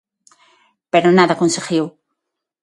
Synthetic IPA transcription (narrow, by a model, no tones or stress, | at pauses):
peɾonaðakonseɣjow